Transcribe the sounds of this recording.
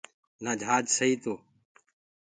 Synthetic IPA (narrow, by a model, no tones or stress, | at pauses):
nãːd͡ʒʱaːd͡ʒsəiːt̪oː